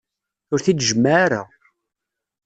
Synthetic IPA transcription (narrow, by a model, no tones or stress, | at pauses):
ʊɾθit͡sːʒəmːaɾa̰